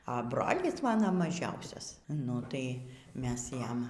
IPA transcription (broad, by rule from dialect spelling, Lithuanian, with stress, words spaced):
ɐ ˈbroːlʲɪs ˈmɑːnoː mɐˈʒʲɛʊsʲɛs nʊ ˈtɐɪ ˈmʲɛs ˈjɛm